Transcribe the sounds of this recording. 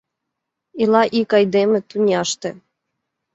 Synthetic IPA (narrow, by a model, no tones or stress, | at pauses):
ilɑʔikɑjd̪emə̆t̪unʲɑʃt̪ĕ